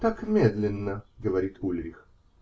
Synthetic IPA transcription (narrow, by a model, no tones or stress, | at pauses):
t̪akmʲe̞d̪lʲɪnːəɡəvɐɾʲit̪ʰulʲɾʲɪx